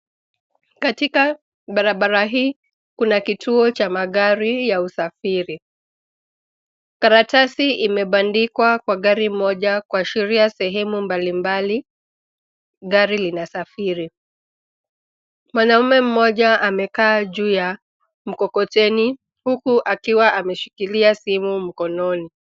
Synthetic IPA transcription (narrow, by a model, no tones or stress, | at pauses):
katika | ɓaɾaɓaɾaɦiː | kunakitʰuɔt͡ʃamaɠaɾijausafiɾi | kaɾatasiʔimɛɓandikwakwaɠaɾim̩mɔʄakuaʃiɾiasɛɦɛmumbalimbali | ɠaɾilinasafiɾi | mwanaumɛm̩mɔʄaʔamɛkaːʄuːja | m̩kɔkɔtɛni | hukuʔakiwaʔamɛʃi̥kiliasimum̩kɔnɔni